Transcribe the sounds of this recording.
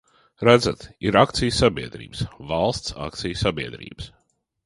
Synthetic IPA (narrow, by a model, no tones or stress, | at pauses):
ɾæd̪zat̪iɾakt̪sijsabiɛd̪ɾḭːbsvɑlˠst̪sa̰k̚t̪sʲijsabiɛd̪ɾḭːbəs